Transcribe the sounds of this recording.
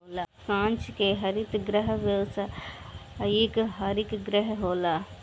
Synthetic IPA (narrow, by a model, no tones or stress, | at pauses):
olakãːnt͡ʃkeɦɐɾit̪ɡɾəɦʋewsa | eːkɦaːɾikɡɾəɦɦoːlaː